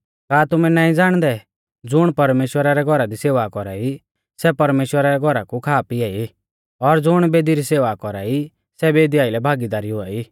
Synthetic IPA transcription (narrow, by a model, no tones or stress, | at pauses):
kaːt̪ʊmɛnaːĩd͡zaːɽ̃d̪ɛ | d͡zʊɽ̃pɐɾmeːʃwəɾaɾɛɡʱɔɾad̪iseːʋakɔɾaːi | sɛpɐɾmeːʃwəɾaɾɛɡʱɔɾakukʰaːpiɛːi | ɔɾd͡zʊɽ̃beːd̪iɾiseːʋakɔɾa̰ːi | sɛbeːd̪ijaːilɛbʱaːɡid̪aːɾiɦʊaːi